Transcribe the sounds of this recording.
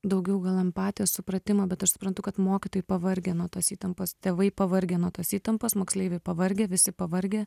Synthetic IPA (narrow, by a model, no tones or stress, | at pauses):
d̪ɐʊɡʲɛʊɡɐlˠɐmpɑːt̪ʲijɛssʊpɾɐt̪ʲɪmɐːbʲɛt̪ɐʃsʊpɾɐnt̪ʊkɐt̪moːkʲɪt̪oːjɪpɐʋɐɾʲɡʲeːnuɔt̪oːsiːt̪ɐmpoːst̪ʲeːʋɐɪpɐʋɐɾʲɡʲeːnuɔt̪oːsiːt̪ɐmpoːsmoːksʲlʲeɪʋʲɛɪpɐʋɐɾʲɡʲeːʋʲɪsʲɪpɐʋɐɾʲɡʲeː